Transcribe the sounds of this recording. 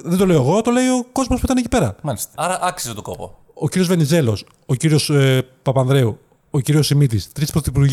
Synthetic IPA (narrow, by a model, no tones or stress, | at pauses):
ðed̪ole̞oeɣo̞t̪o̞le̞io̞ko̞zmospuit̪ɐnecipe̞ɾɐ̰mɐlist̪eɐɾɐʔɐksiset̪oko̰po̰ | ociɾio̞zve̞nize̞lo̞s | ociɾio̞spɐpɐnðɾeu | ociɾio̞simit̪̬ist̪ɾispɾoθipuɾʝ